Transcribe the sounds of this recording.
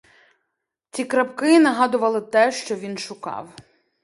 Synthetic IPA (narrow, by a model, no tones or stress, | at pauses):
t͡sʲikɾɐpkɪnɐɦɑd̪ʊʋɐlˠɪt̪ɛʃt͡ʃɔʋʲinʃʊkɑ̰w